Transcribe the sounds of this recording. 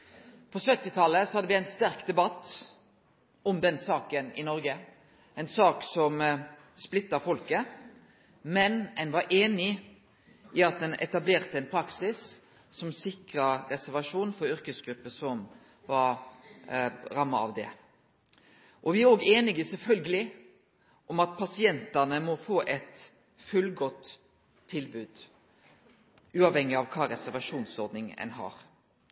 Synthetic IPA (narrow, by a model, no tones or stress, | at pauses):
pʰɔsœt̪ːɪt̪ʰɑlːəsɔhɑd̪ːəʋɪæɪnst̪æɾkd̪ɛbɑt̪ː | ɔmd̪ɛnsɑːkənɪnɔɾɡə | ɛɪnsɑːksɔm | splɪt̪ːɑfɔlkə | mɛnɛnʋɑɾʔeːnɪ | ʔɪɑt̪̚d̪ɛnɛ̰t̪ɑbleːʁt̪əɛnpʰɾɑksɪs | sɔmsɪkɾəɾɛsæɾʋɑʂuːnfɔɾʏɾkəsɡɾʉpːəsɔm | ʋɑɾ | ɾɑmːɑɑ̰ʋd̪ɛ̰ | ʔɔʋɪæɾoːɡeːnɪɡəsɛlfœlɡəlɪ | ʔɔmɑt̪̚pʰɑsɪɛnt̪ɑnəmɔfoːʔɛt̪ | fʉlɡɔt̪ʰː | ɪlbʉːd̪̥ | ʉːɑʋhɛŋːɪɑʋkʰɑːɾɛsæɾʋɑʂuːnsɔɾd̪nɪŋɛ̰nɦɑ̰ːɾ